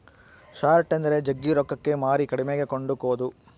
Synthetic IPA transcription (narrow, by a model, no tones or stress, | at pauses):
ʃaːɾʈend̪ɐɾe̞d͡ʒɐɡːiɾɔkːɐkːe̞maːɾikɐɽimeɡe̞ko̞ɳɖukoːd̪u